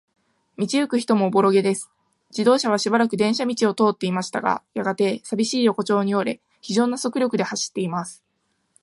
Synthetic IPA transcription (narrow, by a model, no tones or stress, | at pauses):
mʲit͡ɕiɯ̟kɯ̟çi̥t̪o̞mo̞ːbo̞ɾo̞ɡe̞d̪e̞sɨ̥ | d͡ʑid̪o̞ːɕaβ̞aɕibaɾakɯ̟d̪ẽ̞ɰ̃ɕamʲit͡ɕio̞t̪o̞ːt̪ːe̞imaɕi̥t̪aɡa̰jaɡat̪e̞sabʲiɕiːjo̞ko̞t͡ɕo̞ːɲ̟io̞ɾe̞ | çiʑo̞ːnːaso̞kɯ̟ɾʲo̞kɯ̟d̪e̞haɕi̥t̪ːe̞imasɨ̥